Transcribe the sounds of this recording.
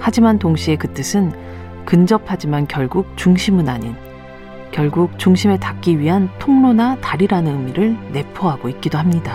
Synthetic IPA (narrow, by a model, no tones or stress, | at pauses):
had͡ʑimantoŋɕʰie̞kɯt͈ɯsʰɯn | kɯnd͡ʑʌpʰad͡ʑimankjʌɭɡuk̚t͡ɕuŋɕʰimɯnaɲin | kjʌɭɡuk̚t͡ɕuŋɕʰime̞tak͈̚iɥiɦantʰoŋnonataɾiɾanɯnɯmiɾɯɭne̞pʰoɦaɡoit̚k͈idohamɲida